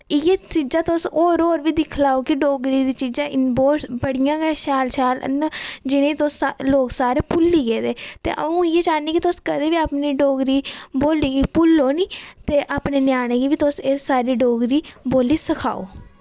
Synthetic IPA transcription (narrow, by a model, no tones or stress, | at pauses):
jeːt͡ʃiːd͡ʒãːt̪ʊsoːɾoːɾʋiːd̪ɪkʰlaːoːkɪɖoːɡɾiːd̪iːt͡ʃiːd͡ʒãːʔɪnboːtbəɽɪjãːɡeːʃaːlʃaːl̰nd͡ʒɪnẽːt̪ʊsloːksaːɾeːpʊlːiːɡeːd̪eːt̪ḛːʔə̰ũːɪjeːt͡ʃaːneːkit̪ʊskəd̪eːʋiːaːpniːɖoːɡɾiːboːliːɡiːpʊlːoːniːt̪eːʔaːpneːnɪjaːñeːɡiːʋiːt̪ʊsesːaːɾiːɖoːɡɾiːboːliːsəkʰa̰ːo̰ː